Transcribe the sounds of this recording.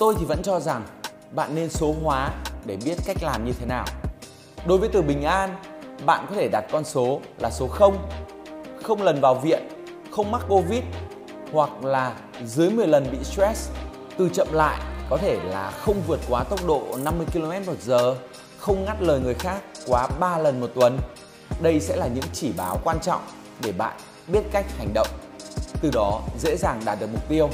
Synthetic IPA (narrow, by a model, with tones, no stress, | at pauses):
t̪o˧jt̪ʰi˨˩və̰˧˥nt͡ɕɔ˧za˨˩ŋ | ɓa̰ː˧˨nːe˧nso˨˦ɦwaː˨˦ɗe˧˩ɓi˦˥ət̚ka˦˥jk̟̚laː˨˩mɲɨ˧t̪ʰe˨˦naː˨˩w | ɗo˨˦jvə˨˦jt̪ɨ˨˩ɓï˨˩ŋ̟ʔaː˧nɓa̰ː˧˨nkɔ˨˦t̪ʰe˧˩ɗa˨˩t̚kɔ˧nso˨˦laː˨˩so˨˦xə˧wŋ͡m | xə˧wŋ͡mlə˨˩nvaː˨˩wvḭ˧˨ən | xə˧wŋ͡mma˦˥k̚ːo˧vi˦˥t̚ | hwa˨˩k̚laː˨˩ | zɨ˨˦jmɨ˨˩əjlə˨˩nɓḭ˧˨st̪ɾɛ˦˥s | t̪ɨ˨˩t͡ɕə̰˧˨mla̰ː˧˨jkɔ˨˦t̪ʰe˧˩laː˨˩xə˧wŋ͡mvɨ˨˩ət̚kwaː˨˦t̪ə˦˥wk͡p̚ɗo̰˧˨na˧mːɨ˧əjki˧lo˧mɛ˦˥t̚mo˨˩t̚zəː˨˩ | xə˧wŋ͡mŋa˦˥t̚ləː˨˩jŋɨ˨˩əjxaː˦˥k̚ːwaː˨˦ɓaː˧lə˨˩nmo˨˩t̚t̪wə˨˩n | ɗə˧jsɛ̰˧˥laː˨˩ɲɨ̰˧˥ŋt͡ɕi˧˩ɓaː˨˦wkwaː˧nt͡ɕɔ̰˧˨wŋ͡m | ɗe˧˩ɓa̰ː˧˨n | ɓi˦˥ət̚ka˦˥jk̟̚ha˨˩jŋ̟ɗə̰˧˨wŋ͡m | t̪ɨ˨˩ɗɔ˨˦zḛ˧˥zaː˨˩ŋɗaː˨˩t̚ɗɨ˨˩ək̚mʊ˨˩k͡p̚t̪i˧əw